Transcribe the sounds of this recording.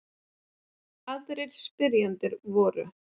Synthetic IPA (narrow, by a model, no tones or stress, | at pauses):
aðɾɪɾspɪɾjant̪ʏɾvɔːɾʏ̰